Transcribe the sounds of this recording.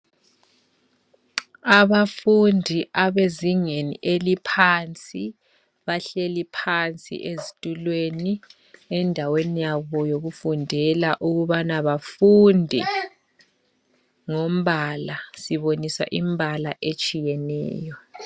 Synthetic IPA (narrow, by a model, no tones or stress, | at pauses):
aβafundʱiʔaβeziŋenḭʔelipʰant͡sʼi | βaɬelipʰant͡sʼḭʔezitʼulweni | ɛndʱawenijaβɔjoɣufundʱɛlaʔuɣuβanaβafundʱɛ̰ | ŋom̩βalasiβonisa̰ʔim̩bʱalaʔet͡ʃʼijɛnɛ̰ːjɔ